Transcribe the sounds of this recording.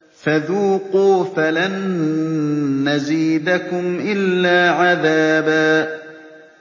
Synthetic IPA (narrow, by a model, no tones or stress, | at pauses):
faðuːquːfalan | aziːd̪akʊmʔɪlːaːʕaðaːbaː